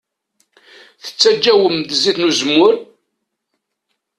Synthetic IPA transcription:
θə̥t͡sːæd͡ʒːæwəmd̪ziθnuzmːʊɾ

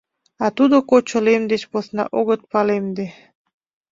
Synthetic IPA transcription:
ɑt̪ud̪okot͡ɕŏlemd̪et͡ɕpoθnɑ̰ʔoɣət̪̚pɑlemd̪e

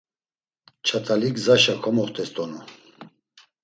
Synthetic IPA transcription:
t͡ʃʰat̪ʰʼalikzaʃakʰɔmɔχt̪ʰʼɛst̪ʼɔnu

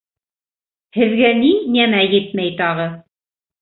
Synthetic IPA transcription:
hɘ̆ðɡæninæmæjɘt̪mæjt̪ɑʁɤ

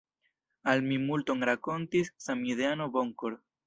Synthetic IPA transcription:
almimulto̞ŋɾako̞ntisːamideano̞bo̞ŋkoɾ

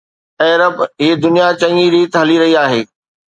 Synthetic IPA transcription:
ɛːɾəbɦiːd̪ʊnijat͡ɕɐ̃ŋiɾiːt̪ɦɐliɾɐɦiaːɦeː

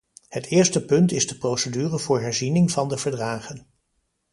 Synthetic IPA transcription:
hətʰɪːɹstəpɵntɪzdəprowsədyːrəvʊːɹɦɛɹzinɪŋvɑndəvəɹdraːχən

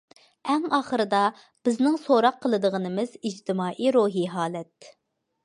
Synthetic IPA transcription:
ɛŋɑːχəɾɨd̪ɑ | b̥ɪznɪŋsoɾɑqʰːəlˠɨd̪əʁənɨmɨzid͡ʒt̪ʰɪmɑːʔiɾoɦiɦɑːlɛt̪̚

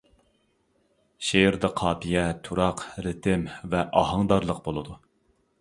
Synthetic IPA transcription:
ʃejɾd̪ɨqʰɑːpʰijɛt̪ʰuɾɑqɾɪt̪ʰɪmvɛʔɑɦɑŋd̪ɑɾlˠəq̚bolˠɨd̪u

